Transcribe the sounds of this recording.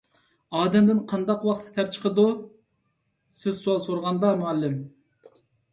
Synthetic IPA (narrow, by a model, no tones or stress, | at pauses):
ɑːd̪ɛmd̪ɪnqʰɑnd̪ɑqwɑχt̪ʰːɨ̥t̪ʰæɾt͡ʃʰə̥qʰəd̪u | sɪzsuɑlˠsoɾʁɑnd̪ɑmuɛlːɪm